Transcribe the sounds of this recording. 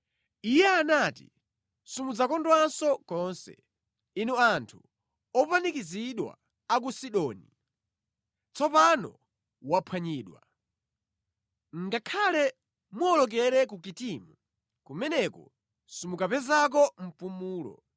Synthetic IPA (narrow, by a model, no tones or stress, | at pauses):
ijɛanatḭ | sumud͡zakɔndwansɔkɔnsɛ̰ | inuantʰu | ɔpanikiziɗwa̰ | ak̬usiɗɔːni | t͡sɔpanɔ̰ | wapʰwaɲiːɗwa | ŋɡakʰalɛ | muɔlɔk̬ɛɾɛkukitimu | kumɛnɛkɔ̰ | sumukapɛzak̬ɔm̩pumuːlɔ̰